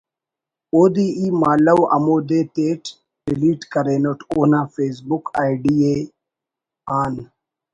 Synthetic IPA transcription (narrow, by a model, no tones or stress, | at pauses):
oːd̪iːiːmaːlɐwɐ̰moːd̪eːt̪eːʈ | ɾiliːʈkɐɾeːnoʈʰoːnaːfeːs̬bukaːiɖieː | aːn